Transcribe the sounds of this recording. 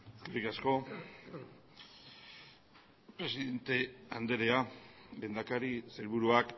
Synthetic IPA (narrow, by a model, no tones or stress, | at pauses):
skarikasko̞ | pɾe̞siðe̞nt̪e̞and̪e̞ɾe̞abe̞nd̪akaɾiseɾβuɾuak